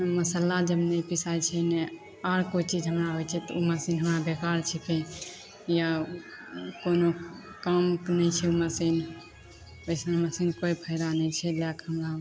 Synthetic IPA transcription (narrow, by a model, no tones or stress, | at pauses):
məsəlad͡ʒəbnɛpisajt͡ʃʰɛnɛ | aɾkot͡ʃid͡ʒɦəmɾaɦojt͡ʃʰɛt̪ɔuməsinɦəmɾabekaɾt͡ʃʰɛkʰe | ja | konokəmknɛt͡ʃʰɛuməsin | oɪsmẽməsinkoipʰəɪɾanɛt͡ʃʰɛlakɦəmɾa